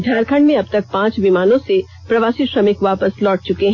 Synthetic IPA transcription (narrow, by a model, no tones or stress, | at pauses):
dʱjaːɾkʰə̃ɳɖmẽɐb̚t̪ɐk̚pãːt͡ʃʋimaːnõse | pɾɐʋaːsiʃɾɐmɪkʋaːpəslɔːʈ̚t͡ʃʊkeɦɛ̃ː